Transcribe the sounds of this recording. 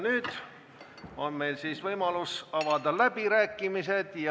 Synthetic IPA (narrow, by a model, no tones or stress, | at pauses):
nyːd̪̥ | o̞nme̞jlsiːsvɤjmɑlusɑvɑd̪ɑlæb̥iɾæːkːˑimise̞d̪̥jɑ